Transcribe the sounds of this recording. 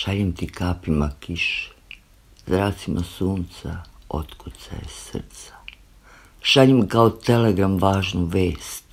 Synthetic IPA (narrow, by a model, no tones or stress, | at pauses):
ʃaʎemt̪ikaːpimakiʃe̥ | zɾaːt̪simʔasuːnt̪sa̰o̞̰t̪kut̪sa̰jḛsr̩t̪sḁ | ʃaʎemkaot̪e̞leɡɾamʋaːʒnuʋeːst̪